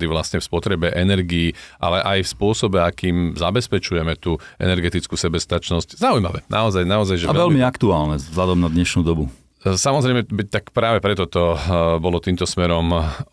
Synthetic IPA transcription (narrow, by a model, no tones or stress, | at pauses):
d̪iʋlasɲɛfspɔt̪ɾɛbɛʔɛnɛɾɡiiʔa̰lɛʔajfspʊɔsɔbɛakiːmzabɛspɛt͡ʃujɛmɛt̪uːʔɛ̰nɛɾɡɛt̪it͡skusɛbɛst̪at͡ʃnɔsczaujmaʋɛnʔa̰ɔzajnaɔzajʒɛaʋɛlmiakt̪uaːlnɛzlad̪ɔmnad̪ɲɛʃnuːd̪ɔbu | samɔzɾɛjmɛbit̪akpɾaːʋɛpɾɛt̪ɔt̪ɔbɔlɔt̪iːmt̪ɔsmɛɾɔm